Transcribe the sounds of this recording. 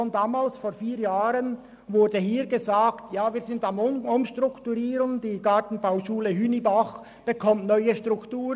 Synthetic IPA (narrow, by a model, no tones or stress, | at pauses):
ɔndaːmaːlsfoːɾfiːɾjaːɾən | vʊɾdəhiːɾɡəzaːktjaːviːzɪndamʊmʃtʁʊktuɾiːɾəŋd̥iːɡɑtn̩baʊʃuːləɦynibaχ | b̥əkʰɔmtnœʏəʃtʁ̥ʊktuːɾ